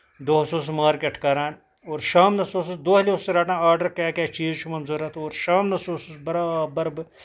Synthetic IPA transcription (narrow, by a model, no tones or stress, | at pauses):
d̪oːɦɐsoːs̬maːɾkeɐʈʰkaːɾaːn | oːɾʃaːmnɐsoːs̬usd̪oːɦɐleʊsːiɾaːʈãːaːɾɖɐɾkaːkʲaːt͡ʃiːzt͡ʃʰumɐnzuɾɐt̪oːɾʃaːmnɐsoːsusbɐɾaːbɐɾbɨ